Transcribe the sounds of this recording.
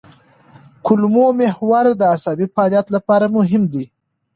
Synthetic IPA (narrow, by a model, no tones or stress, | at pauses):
kʊlmomehwaɾd̪əasabifɑljat̪lapɑɾamʊɦɪmd̪i